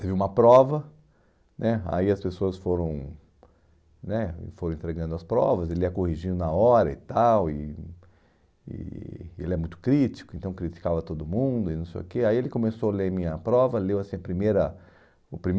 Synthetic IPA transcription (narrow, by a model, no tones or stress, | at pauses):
t̪eviũmɐpɾɔvɐ | nɛa̰iɐspesoɐsfoɾɐ̃w̃ | nɛɪ̰foɾ̃ẽt̪ɾeɡɐ̃d̪ʊɐspɾɔ̰vɐzelɪɛkohiʒĩd̪ʊnaɔɾɐit̪awɪ | ɪ̰elɪɛɐmũj̃t̪ʊ̥kɾit͡ʃi̥kʊẽnt̪ɐ̃w̃kɾit͡ʃi̥kavɐt̪od̪ʊmũd̪ʊɪnɐ̃w̃sḛjʊkeaielɪkõmesoɐlemĩɲɐpɾɔvɐlewasĩɐpɾimejɾɐ | ʊpɾim